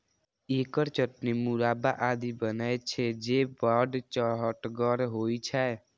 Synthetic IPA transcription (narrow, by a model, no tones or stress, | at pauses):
eːkəɾt͡ʃəʈnimuɾaːbaʔad̪ibənəjt͡ʃʰɛd͡ʒebaɖt͡ʃɔɦəʈɡəɾɦoit͡ʃʰɛ